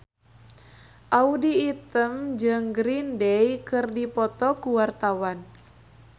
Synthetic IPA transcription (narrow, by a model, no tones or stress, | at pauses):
ʔaudiːt̪əmd͡ʒɨŋɡɾindɛjkɨrdipɔt̪ɔkuwart̪awan